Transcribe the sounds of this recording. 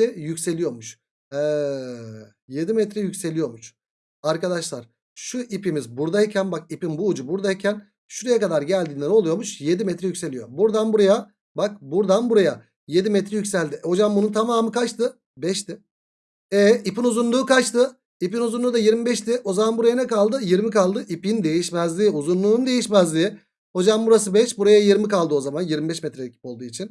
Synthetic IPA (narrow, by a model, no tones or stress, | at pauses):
ɛjycʲse̞lʲijo̞ɾmuʃ | ɛ | je̞d̪imɛt̪ɾɛjycse̞lʲijo̞ɾmuʃ | aɾkad̪aʃlˠaɾ̥ | ʃuʔipimizbuɾd̪aicʰænbak̚ipinbuːd͡ʒubuɾd̪aicʰæn | ʃuɾejɛkad̪aɾɟælʲd̪iːnʲeɾo̞lˠujoɾmuʃje̞d̪imɛt̪ɾɛjycʲse̞lʲijo̞buɾd̪anbuɾaja | bak̚buɾd̪anbuɾaja | je̞d̪imɛt̪ɾɛjycʲsælʲd̪ɪho̞d͡ʒambununt̪ʰamaːmɯkʰat͡ʃt̪ʰɯ | bɛʃt̪ɪ | ɛːipinuzunlˠuːkat͡ʃt̪ʰɯ | ipinuzunˠuːd̪ajiɾmibɛʃt̪ɪʔo̞zamanbuɾajanɛkalˠd̪ɯjiɾmikalˠd̪ɯʔipind̪e̞jiʃmæzlʲiːuzunlˠuːnd̪ejiʃmæzlʲii | ho̞d͡ʒambuɾas̬ɯbɛʃbuɾajajiɾmikalˠd̪ɯo̞zamanjiɾmibɛʃmɛt̪ɾɛecʰi̥po̞lˠd̪uːit͡ʃʰin